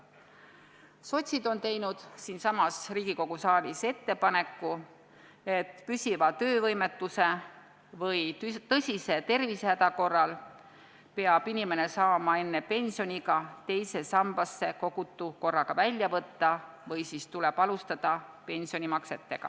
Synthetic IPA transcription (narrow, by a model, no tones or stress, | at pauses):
so̞t̪ʲsid̪̥o̞nt̪e̞jnud̪̥siːnsɑmɑsriːɡ̥iko̞ɡ̥usɑːlise̞t̪ːe̞pɑne̞kːu | e̞t̪ːpysʲivɑt̪ø̞ːvɤjmet̪ːˑuse̞ | vɤjt̪ɤsʲise̞t̪e̞rvishæd̪̥ɑko̞rːɑl | pe̞ɑb̥inʲime̞ne̞sɑːmɑe̞nːe̞pe̞nʲsio̞nʲiɡ̥ɑt̪e̞jse̞sɑmb̥ɑsːe̞ko̞ɡ̥ut̪ːˑuko̞rːɑɡ̥ɑvælʲjɑvɤt̪ːɑ | vɤjsist̪uleb̥ɑlust̪ɑd̪̥ɑ | pe̞nʲsio̞nʲimɑkse̞t̪ːe̞ɡ̥ɑ̰